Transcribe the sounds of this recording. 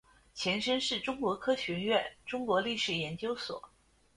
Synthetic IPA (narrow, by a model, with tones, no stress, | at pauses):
t͡ɕʰjɛ˧˥nʂə˥nʂɻ̩˥˩ʈ͡ʂʊ˥ŋkwɔ˧˥kʰɤ˥ɕɥɛ˧˥ɥɛ˥˩nʈ͡ʂʊ˥ŋkwɔ˧˥li˥˩ʂɻ̩˨˩jɛ˧˥nt͡ɕjo˥ʊswɔ̰˨˩˦